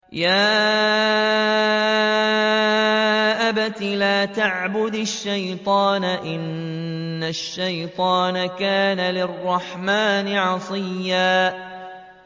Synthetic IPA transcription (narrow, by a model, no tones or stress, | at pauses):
jaː | ʔabat̪ilaːt̪aʕbʊd̪aʃːajt̪ˤɑːnaʔɪnː | aʃːajt̪ˤɑːnakaːnalɪrˤːɑħmaːnɪʕɑsˤɨjːaː